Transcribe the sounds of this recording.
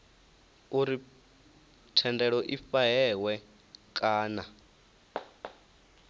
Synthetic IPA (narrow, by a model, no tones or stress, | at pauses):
uɾi | tʰɛndɛɺɔʔifaɦɛwɛ | kʼaːna